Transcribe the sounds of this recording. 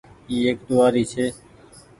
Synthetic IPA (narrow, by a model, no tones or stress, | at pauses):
iːeːk̚t̪oʋaːɾiːt͡ʃʰeː